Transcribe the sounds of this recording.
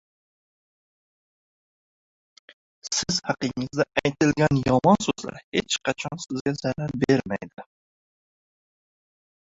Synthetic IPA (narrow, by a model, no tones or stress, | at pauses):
sɪz̥hɑqɨŋɨzd̪ɛæjt̪ɪlɡʲɛnjɒmɒnsɵzlæ̰ɾhet͡ʃqʰɑt͡ʃʰɒnsɪzɡʲɛzæɾæɾbeɾmæjd̪ɪ